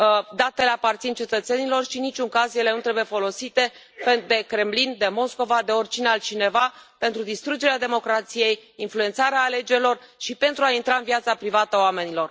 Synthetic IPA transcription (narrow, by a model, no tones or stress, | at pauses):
d̪at̪e̞leapart̪sint͡ʃe̞t̪ət̪se̞nilo̞rʃinit͡ʃʲuŋkazje̞le̞nut̪ɾe̞buje̞fo̞lo̞sit̪e̞ | ped̪e̞kɾe̞mlind̪e̞mo̞sko̞vad̪e̞o̞rʲt͡ʃinealt͡ʃine̞vape̞nt̪ɾud̪ist̪ɾud͡ʒe̞ɾead̪e̞mo̞kɾat̪sije̞jinflue̞nt̪saɾeaːle̞d͡ʒe̞ɾilo̞rʃipe̞nt̪ɾuaint̪ɾaɨnvijat̪sapɾivat̪əoame̞nilo̞r